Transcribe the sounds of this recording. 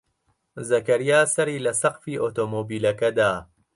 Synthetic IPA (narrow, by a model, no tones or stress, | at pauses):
zɐkɐɾijaːsɐɾiːlɐsɐqfiːʔoːt̪oːmoːbiːlɐkɐd̪aː